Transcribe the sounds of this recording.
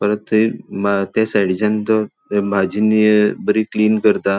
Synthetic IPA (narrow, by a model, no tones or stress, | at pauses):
pəɾət̪ʰibat̪jasaɽid͡zant̪ɔ | bʱad͡ʑinibəɾikliːnkəɾt̪a